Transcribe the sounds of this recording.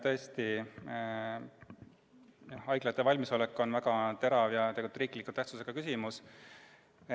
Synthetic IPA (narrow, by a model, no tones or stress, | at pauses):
t̪ɤ̞est̪i | jɑhɑjɡ̥lɑt̪ːˑe̞vɑlʲmiso̞lekːˑo̞nvæɡ̥ɑt̪e̞ɾɑvjɑt̪eɡut̪ɾiːklikːˑut̪æht̪suse̞ɡ̥ɑkysimus